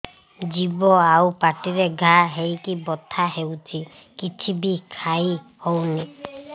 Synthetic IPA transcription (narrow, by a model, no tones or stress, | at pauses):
d͡ʒibɔawpaʈiɾeɡʱaɦejkibɔt̪ʰaɦewt͡ʃʰi | kit͡ʃʰibikʰai | howni